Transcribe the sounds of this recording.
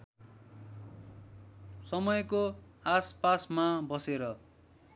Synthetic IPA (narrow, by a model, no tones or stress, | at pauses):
sʌmʌjkoaspasmabʌseɾʌ